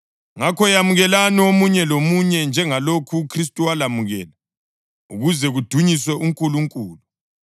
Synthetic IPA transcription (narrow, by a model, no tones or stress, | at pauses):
ŋakʰɔjamuɣɛlaniomuɲɛlomuɲɛnd͡ʒʱɛŋalokʰuːkʰristʼuwalamuɣɛ̰ːla | ṵɣuzɛɣud̥ʱuɲiswɛʔuŋkʼuluŋkʼuːlu